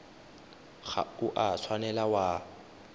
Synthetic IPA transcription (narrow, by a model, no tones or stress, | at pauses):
ɣa̰uʔat͡sʰwanɛlawa